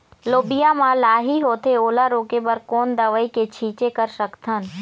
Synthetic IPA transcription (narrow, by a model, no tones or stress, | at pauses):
loːbijamãlaːɦiɦoːt̪ʰeoːlaɾoːkepəɾkoːnd̪əʋəiket͡ʃʰiːt͡ʃekəɾsəkt̪ʰən